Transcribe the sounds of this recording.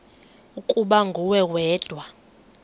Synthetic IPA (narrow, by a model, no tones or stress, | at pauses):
ukʼuɓaŋɡʱuwɛwɛːd̥ʱwa